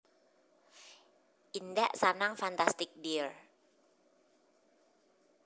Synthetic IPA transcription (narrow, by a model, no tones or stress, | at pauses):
ʔindaʔsanaŋfant̪ast̪ɪk̚bir